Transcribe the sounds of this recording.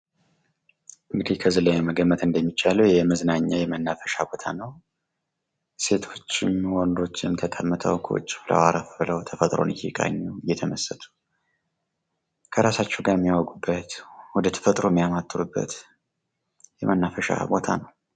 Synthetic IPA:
ʔɨŋɡɨd̪ikʰəzɨləjɛməɡəmːət̪ɨnd̪əmːit͡ʃʼːaləwjɛməznaɲːajɛmənːafəʃabo̞t̪ʰa̰nəw | se̞t̪ʰo̞t͡ʃːɪmwɔnd̪o̞t͡ʃːɪmt̪ʰəkʼəmːɨt̪ʰə̰wkʰə̰t͡ʃʼːɪ̥flə̰waɾəfɨləwt̪ʰəfət̪ʼɾo̞̰nɨjɛkʼa̰ɲːɛwɨjːɛt̪ʰəməsːət̪ʰu̥ | kʰəɾasat͡ʃːɛɡajɛmːijawɡʼubːət̪wɔd̪ət̪ʰə̥fət̪ʼɾomːijamat̪ʼːɨɾubːə̰t̪ | jɛmənːafəʃa̰bo̞t̪ʰa̰nəw

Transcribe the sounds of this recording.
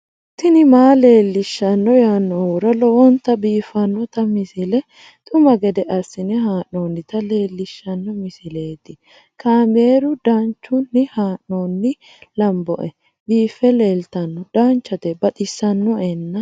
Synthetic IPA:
t̪ːɪnɪmaːle̞ːlːɪʃːɐnːɔjanːɔuɾɐlɔwɔnt̪ːɐbiːfɐnːɔt̪ɐmɪsɪlɛ | t̪ʼʊmɐɡɛd̪ɛʔɐsɪnɛɦaːʔnoːnːɪt̪ɐle̞ːlːɪʃːɐnːɔmɪsɪle̞ːt̪ɪ | kaːmeːɾʊd̪ant͡ʃːʊnːɪhaːʔnonːɪ | lɐmbɔ̰ʔɛ | biːfːɛle̞ːlt̪ɐnːɔd̪̥aːnt͡ʃːɐt̪ɛbɐt̪ʼɪsːɐnːɔɛnːɐ

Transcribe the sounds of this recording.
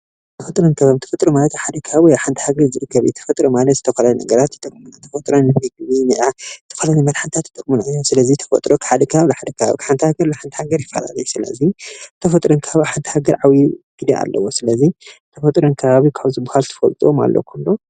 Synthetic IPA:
t̪ʰɐfɐt̪ʼɾonkʰɐβaβit̪ʰɐfɐt̪ʼɾomalɐt̪ħad̪ɐkʰɐβaβjawħant̪ʰihaɡɐɾzɨɾɨkʰːɐβɨɛt̪ʰɐ̥fɐt̪ʼɾomalɐt̪zɨt̪ʰɐfɐlanɐ̰ɡɐɾat̪it̪ʼɨkʼmunt̪ʰɐfɐt̪ʼɾonmɨɡβiniʔat̪ʰɐ̥fɐlanimɐlħant̪ʰat̪it̪ʼɨkʼmunajːosɨlɐzit̪ʰɐ̥fɐ̰t̪ʼɾʔokʰħad̪ɐkʰaβlħad̪ɐkʰɐβa̰βikʰħant̪ʰihaɡɐɾlaħant̪ʰi̥haɡɐɾjɪfːɐ̰la̰lɐjusɨlɐ̰zit̪ʰɐfɐt̪ʼɾonkʰɐaβaħant̪ʰhaɡɐɾʕawiɡ̥id̪ɐʔa̰lːɐ̰wosɨlɐzit̪ʰɐfɐt̪ʼɾonkʰɐβaβikʰaβzɨbuhalt̪ʰɨ̥fɐ̰lt̪ʼuoma̰lːʔo̰kʰunːo

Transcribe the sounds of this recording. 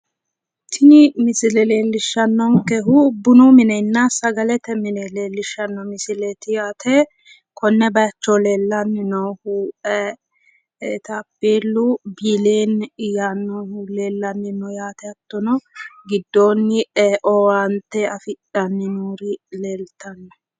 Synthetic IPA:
t̪ʰɪnɪmɪsɪlɛle̞ːlːɪʃːɐnːɔŋkɛɦubːʊnumɪnɛjnːɐsɐɡɐlɛt̪ɛmɪnɛleːlːɪʃːɐnːɔmɪsɪlɛt̪ɪjaːt̪ʰɛ | kʰɔnːɛbɐɐt͡ʃːoleːlːɐnːɪnɔːhuːʔɛ | t̪ɐpːeːlːubiːleːnjaːnːɔhule̞ːlːɐnːɪnɔjaːt̪ɛɐt̪ːɔnɔɡɪd̪ːo̞ːnːɪʔɔwaːnt̪ːɛɐfɪᶑɐnːɪnuːɾɪleːlt̪ɐnːɔ

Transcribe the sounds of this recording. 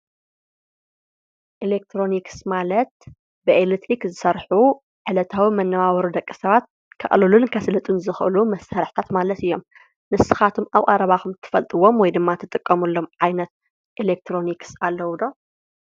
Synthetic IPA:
ʔilek̚t̪ʰɾo̞niksmalɐt̪̚ | bɨʔelit̪ɾikzɨsɐɾħu | ʕɨlɐt̪ʰawimɐnːɐwaβɐɾud̪ɐkʼːi̥sɐβat̪̚ | kʰɐ̰ʔʼlɨlunkʰɐslɐt̪ʼunzɨxʔɨ̰lumɐsaɾɨħt̪ʰat̪malɐt̪ɨjːo̞m | nɨsɨxat̪ʰumaβkʼɐɾɐβaxumt̪ʰɨ̥fɐlt̪ʼɨwomwɔjd̪ɨmːat̪ʰɨt̪ʼɨkʼːɐmulːo̞mʕajnɐt̪̚ | ʔilek̚t̪ʰɾo̞niksalːɐwud̪o

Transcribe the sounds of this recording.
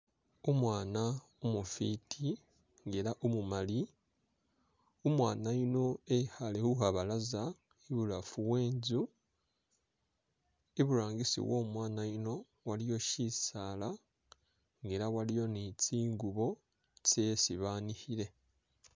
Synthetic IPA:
omwaːna | omufitʰi | ŋɡe̞ɾaʔumumali | omwaːnaino̞ehalehuhaβalaza | iβulafuβwe̞ːnzu | eβuɾaːŋɡisḭwʔo̞ːmwaːnaino̞ | walijo̞ʃisala | ŋɡe̞ɾawalijo̞nit͡siːŋɡuβo̞ | t͡sesiβaːnihiɾe̞

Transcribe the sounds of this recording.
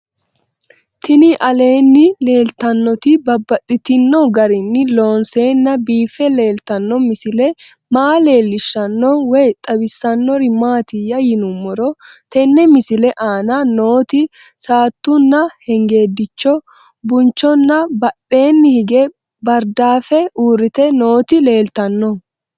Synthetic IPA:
t̪ɪnɪʔɐle̞ːnːɪle̞ːlt̪ɐnːɔt̪ɪbɐbːɐt̪ʼːɪt̪ɪnːɔɡɐɾɪnːɪlo̞ːnse̞ːnːɐbiːfːɛle̞ːlt̪ɐnːɔmɪsɪlɛ | maːle̞ːlːɪʃːɐnːɔwɛjt̪ʼɐbɪsːɐnːɔɾɪmaːt̪ɪjɐjɪnʊmːɔɾɔt̪ɛnːɛmɪsɪlɛʔaːnano̞ːt̪ɪ | saːt̪ːʊnːɐhɛŋɡe̞ːd̪ɪt͡ʃːɔ | bʊnt͡ʃːɔnːɐbɐɗːe̞ːnːɪhɪɡɛ | bɐɾd̪aːfɛuːɾɪt̪ɛno̞ːt̪ɪle̞ːlt̪ɐnːɔ

